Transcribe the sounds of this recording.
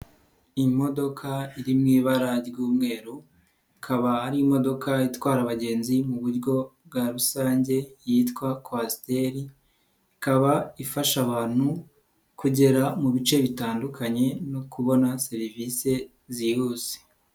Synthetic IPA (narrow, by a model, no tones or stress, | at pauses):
imo̞do̞kʰaiɾimŋiːβaɾaɾɡuːmŋe̞ːɾu | ikʰaβaaɾiimo̞do̞kaitwaːɾaβaɟe̞ːnzimuβuɾɟo̞b̚ɡaɾusaːɲɟe̞jiːtkwakwaste̞ɾi | ikaβaifaʃaβaːn̥hu | kuɟe̞ɾamuβit͡ʃe̞βitaːndukʰaɲe̞no̞kuβo̞nase̞ɾivise̞ | zihuze̥